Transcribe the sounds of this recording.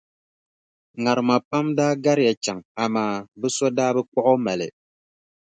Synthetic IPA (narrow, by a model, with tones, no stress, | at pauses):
ŋa˨ɾɨ˨ma˨pa˦mdaː˦ɡa˦ɾɪ˦ja˨t͡ʃa˨ŋa˨maː˨bɨ˦sɔ˦daː˦bɨ˦k͡pɔ˦ʔɔ˦ma˨lɪ̰˨